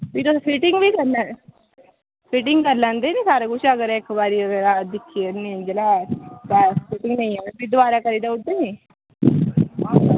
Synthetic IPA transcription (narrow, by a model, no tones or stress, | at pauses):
piːt̪opʰɪʈɪŋɡʋiːkəɾla | pʰɪʈɪŋɡkəɾlãːnd̪eːniːsaːɾekʊt͡ʃʰəɡəɾɪkbaːɾiəɡəɾad̪ɪkʰːienĩd͡ʒəlap̪ɛpʰɪʈɪŋɡnə̃ĩɛːepid̪ʊaːɾakəɾiːd̪aʊd̪eːniː